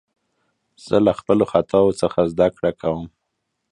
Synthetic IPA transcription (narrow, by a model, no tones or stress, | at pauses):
z̥əlaxpəloxat̪ʰɑwot͡səxazd̪akɽakʰawəm